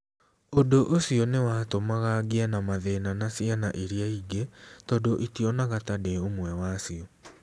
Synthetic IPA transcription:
odoʔosiɔnewaːtomaɣaɡianamaðenanasianaʔiɾiaiɡetɔdoʔitiɔnaɣatadeomwɛwaːsiɔ

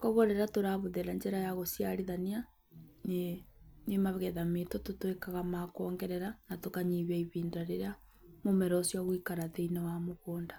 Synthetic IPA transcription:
kɔɣoɾɛɾatoɾaβuðeɾaɲd͡ʒeɾajaɣosjaɾiðania | nenemaβɣɛðametototwekaɣamakɔːŋɡɛɾɛɾanatokaɲiβaiβiːndaɾeɾea | momɛɾɔsjaɣwikaɾaðeinawamoɣoːnda

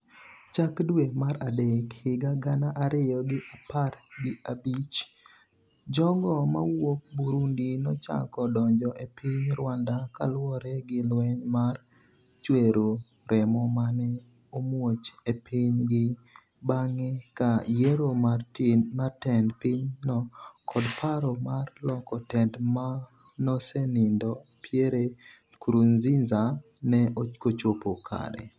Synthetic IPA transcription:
t͡ʃakdwemaɾadɛkhɪɡaɡanaʔaɾɪjɔɡɪʔapatɡɪabit͡ʃ | d͡ʒɔɡɔma̰wok̚buɾundinɔt͡ʃa̰kɔdɔɲd͡ʒɔʔepʰɪɲɾwandaka̰lwɔɾɛɡɪlwɛɲmar | t͡ʃweɾo | ɾʔɛmɔmanɛ | omwot͡ʃepiɲɡɪ | baŋekajeɾomartmartɛndpiɲnɔkʰɔdpʰaɾɔmarlɔkɔtɛndma | nɔsenindɔpjeɾe | kɾunzinzanɛʔokot͡ʃopokʰa̰ɾɛ̰

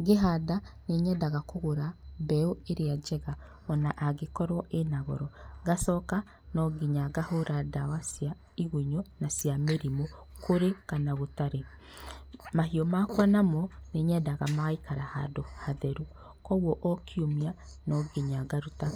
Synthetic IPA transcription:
ɡeɦadaneɲɛdaɣakoɣoɾabɛoeɾead͡ʒɛɣa | ɔnaʔaɡekɔɾwɔʔenaɣɔɾɔɡasɔka | nɔɡeɲaɡahoɾadawasja | iɣuɲɔnasjameɾimo | kʰoɾekanaɣotaɾe | maɦiɔmakwanamɔneɲɛdaɣamaɣaikaɾaha̰dohaðɛɾu | kɔɣwɔʔɔkʰiomia | nɔɡeɲaɡaɾuta

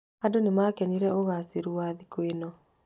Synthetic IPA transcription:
adonemakɛniɾɛoɣaseɾuaðikwenɔ

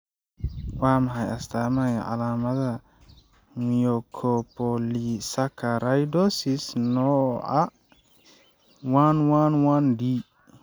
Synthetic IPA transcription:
wamaɦajast̪amaja̰ʔa̰laːmat̪a | mijokʰopɔlisakʰːaɾajdosisnɔʔa̰ | wanwanwandi

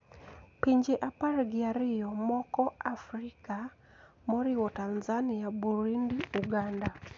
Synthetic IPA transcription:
piɲd͡ʒeʔaparɡɪaɾɪjɔmɔkɔafrika | mɔɾɪwɔtanzaniabuɾindiuɡanda

